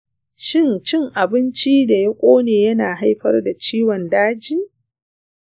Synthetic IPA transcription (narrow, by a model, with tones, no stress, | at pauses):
ʃɪ˦˨nt͡ʃɪ˦ŋʔa˨bɪ˦nt͡ʃiː˦da˨jɐ˦kʷʼoː˦neː˨jɐ˦naː˨ɦa˦jɸɐ̰˦rda˨t͡ʃiː˦wɔ˨ndaː˦d͡ʒiː˦